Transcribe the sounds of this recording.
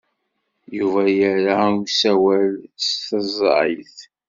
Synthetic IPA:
juvæjəɾasæwælsθəzˤɾḭθ

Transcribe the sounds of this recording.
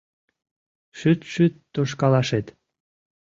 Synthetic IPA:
ʃyt̪ʃyt̪ːoʃ̬kɑlɑʃet̪

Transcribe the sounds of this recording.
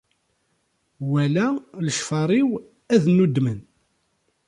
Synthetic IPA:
wælæləʃfɑɾˤiw | æðnːud̪ːmən

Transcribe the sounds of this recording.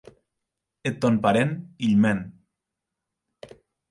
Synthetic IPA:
et̪ːɔnpaɾeniʎmɛn

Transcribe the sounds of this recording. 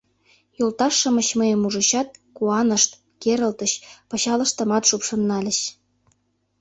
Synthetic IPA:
jolt̪ɑʃːə̆məɕməjəmuʒə̆ɕɑt̪̚kuɑnəʃt̪ | keɾə̆lt̪əɕpɤ̆ɕɑlə̆ʃt̪ə̆mɑt̪ʃupʃɤ̆nːɑlʲə̆ɕ

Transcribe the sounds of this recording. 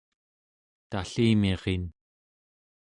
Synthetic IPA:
t̪aɬiːmiʁin

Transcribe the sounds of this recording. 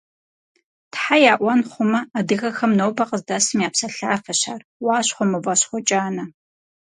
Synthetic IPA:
tħajaːʔʷɐnχʷʊmɐadɨɣɐxɐmnowbɐqʼəzdasɨmjaːpsɐɬaːfɐɕaːrwaːɕχʷɔmɐvɐɕχʷɔt͡ʃʼaːnɐ

